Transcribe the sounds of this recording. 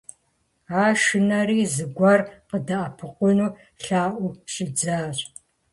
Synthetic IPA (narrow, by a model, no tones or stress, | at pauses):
aːʃɨnɐɾiːzɨɡʷɐrqədɐʔɐpʰɨqʷʊnuː | ɬaːʔʷʊɕʼɪd͡zaːɕʼ